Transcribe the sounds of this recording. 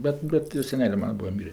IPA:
ˈbʲɛt ˈbʲɛt joː sʲɛˈnʲæːlʲeː ˈmɑːnɐ ˈbʊɐ ˈmʲiːrʲeː

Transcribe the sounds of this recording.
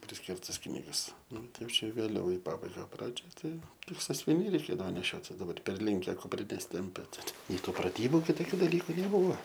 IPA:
pʲrʲɪsʲˈkʲɪrtɐs ˈknʲiːɡɐs ˈnʊ ˈtɐɪ ˈjɛʊ ˈt͡ʃʲɛ ʋʲeːˈlʲɛʊ ɪ ˈpɑːbɐɪɡɐ ˈprɑːd͡ʒʲoːj ˈtɐɪ ˈtʲɪk sɐsʲʋʲɪˈnʲɛɪ rʲɛɪˈkʲeːdɐʋoː nʲɛˈʃʲoːtʲɪs dɐˈbɐr ˈpʲɛrʲlʲɪŋʲkʲɛ kʊpʲˈrʲɪnʲɛs ˈtʲɪmʲpʲɛ tʲɪ tʲɪk nʲɛɪ ˈtuː prɐˈtʲiːbʊ kʲɪˈtoːkʲʊ dɐˈlʲiːkʊ nʲɛˈbʊʋɐ

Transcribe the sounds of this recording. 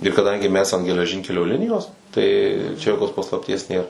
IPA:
ɪr kɐˈdɐŋʲɡʲɪ mʲɛs ɐn ɡʲɛlʲɛˈʒʲɪŋʲkʲɛlʲoː ˈlʲɪnʲɪjoːs tɐɪ t͡ʃʲɛ joːˈkoːs pɐslˠɐpʲˈtʲiɛs ˈnʲeːr

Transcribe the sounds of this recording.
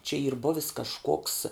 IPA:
t͡ʃʲɛ iːr ˈbʊʋʲɪs kɐʃˈkoːks

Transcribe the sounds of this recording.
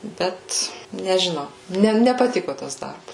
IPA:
ˈbʲɛt nʲɛʒʲɪˈnɐʊ ˈnʲɛ nʲɛpɐˈtʲɪkoː ˈtɐs ˈdɐrbɐs

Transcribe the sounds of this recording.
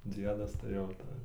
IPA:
ˈd͡zʲiɛdɐs tɐɪ jɛʊ ˈtɐɪ

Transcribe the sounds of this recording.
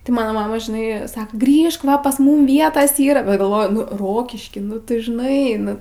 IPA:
tɐɪ ˈmɑːnoː ˈmɑːmɐ ʒʲɪˈnɐɪ ˈsɑːkɐ ˈɡrʲiːʃk ˈʋɐ pɐs ˈmʊm ˈʋʲiɛtɐs ˈiːrɐ bʲɛt ɡɐlˠˈʋoːjʊ ˈroːkʲɪʃʲkʲiː ˈnʊ tʊ ʒʲɪˈnɐɪ ˈnʊ

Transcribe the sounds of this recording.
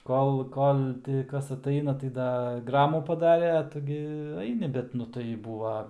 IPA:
ˈkoːlˠ ˈkoːlˠ ˈtʲɪ ˈkɐs ɐtˈɐɪnɐ tɐɪ ˈdɐ ˈɡrɑːmuː pɐˈdɑːrʲeː ɐ ˈtʊ ɡʲɪ ˈɐɪnʲɪ ˈbʲɛt nʊ tɐɪ ˈbuːʋɐ

